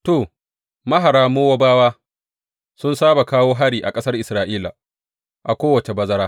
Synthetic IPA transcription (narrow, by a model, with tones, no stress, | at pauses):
to˨ | mɐ˦ɦa˨ɾaː˦moː˦wa˦baː˦waː˦ | sʊ˦nsaː˦ba˨kaː˦woː˦ɦa˦ɽiː˨ʔa˨kʼɐ˦sɐ˦rʔɪ˨sɾaː˨ʔiː˦la˨ | ʔa˨kʷoː˦wɐ˨t͡ʃe˨bɐ˦zɐ˦ɾaː˦